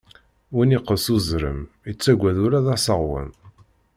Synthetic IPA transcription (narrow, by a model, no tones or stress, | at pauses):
winiqːəsuzɾə̰m | it͡sːæɡʷːæðuɾaðæsˤəʁwə̰n